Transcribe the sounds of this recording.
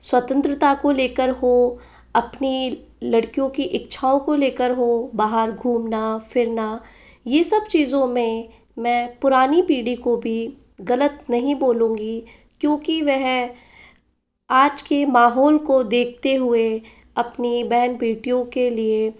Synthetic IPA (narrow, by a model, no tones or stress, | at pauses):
swɐt̪ə̃nt̪ɾət̪akoleːkəɾɦo | ɐpni | lɐɽkijõkiʔɪkt͡ʃʰaːõkoleːkəɾɦobaːɦəɾɡʱuːmnafʰɪɾna | jesɐbt͡ʃiːzõmẽ | mɛ̃ːpʊɾaːnipiːɽikobʱi | ɣɐlət̪nɐɦĩboːlũːɡi | kjõːkiʋɛɦ | aːd͡ʒkemaːɦɔːlkod̪eːkʰt̪eɦʊe | ɐpnibɛɦnpiːʈijõkelie